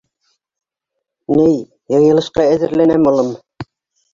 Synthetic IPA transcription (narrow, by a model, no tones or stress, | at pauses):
nɘj | jɤ̆jɤ̆lˠɤ̆ʃqɑæðɘ̆ɾlænæmŏlˠɤm